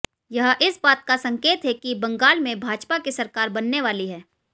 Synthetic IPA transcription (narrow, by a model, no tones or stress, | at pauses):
jɐɦʔɪsbaːt̪̚kasɐ̃ŋkeːt̪ɦɛkibɐ̃ŋɡaːlmẽbʱaːd͡ʒpakisɐɾkaːɾbɐnːeʋaːliɦɛː